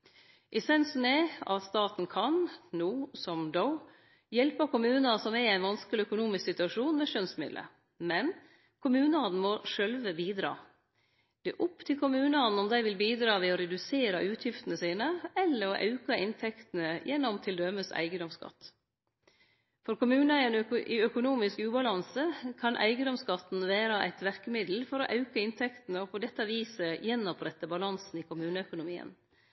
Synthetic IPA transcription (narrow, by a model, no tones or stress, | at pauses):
ʔɛsɛnsn̩ɛɑ̰t̪st̪ɑːt̪nkʰɑnnuːsɔmd̪ɔʊ | jɛlpɑkʊmʉːnɑsɔmææɪnʋɑnskəlɪœkʊnuːmɪsksɪt̪ʉɑʂuːnmɛʃœnsmɪ̰d̪lə̰ | mɛn | kʰʊmʉːnəɑnn̩mɔʂœlʋəbiːd̪ɾɑ̰ː | d̪̥ɛːʔʊpːt̪ʰɪlkʰʊmʉːnɑn̩ɔmd̪æɪʋɪlbiːd̪ɾɑːʋɛɔɾɛd̪ʉseːɾɑʔʉːt̪ʰjɪft̪ənəsiːnəɛlːəɾɔʔɑ̰ʉkɑʔɪnt̪ʰɛkt̪nəjɛnːɔmt̪ʰɪld̪œməsæ̰ɪɡəd̪ɔmskɑ̰t̪ː | fɔɾkʊmʉːnɑɛnɪœkʊnuːmɪskʉːbɑlɑnsəkʰɑnʔæ̰ɪɡəd̪ɔmskɑt̪ːn̩ʋæːɾɑʔæ̰ɪt̪ʋæɾkəmɪd̪l̩fɔɾɔʔɑʉkəɪnt̪ʰɛkt̪n̩əɔpʰɔd̪ɛt̪ːɑʋiːsəjɛnːɔpʰɾɛt̪ːəbɑlɑnsn̩ɪkʰʊmʉːnəœkʊnʊmiːə̰n